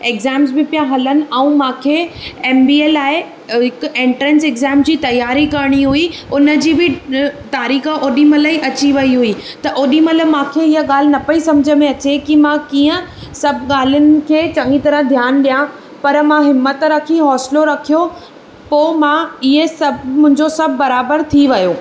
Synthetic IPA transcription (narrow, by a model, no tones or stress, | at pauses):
eːɡzɛːmzbɪpijãɦɐlənɪ̆ɛ̃ũmãːkʰeeːmbiːeːlaːɪ | ɦɪkʊ̆ẽːɳʈɾɛ̃nseːɡzɛːmd͡ʑiːt̪ɐjːaːɾikɐɾɽ̃iɦuiʊnə̆d͡ʑiːbɪt̪aːɾiːxəʔoːɗimɐləiʔɐt͡ɕiʋɐiɦuit̪ɐʔoːɗimɐlə̆mãːkʰeɪɦəɠaːl̤ɪnɐpɐisɐ̃md͡ʑʱəmẽɐt͡ɕekimãkĩːə̃sɐbʱɠaːl̤ʊnɪ̆kʰeːt͡ɕɐŋɡit̪ɐɾəɦd̪ʱjaːnɗijã | pɐɾmãɦɪmːət̪ɾɐkʰiɦɔːsloɾɐkʰijo | poːmãɪɦesɐbmʊ̃ɦɪ̃ɲd͡ʑosɐbʱːɐɾaːbəɾt̪ʰiʋɐjoː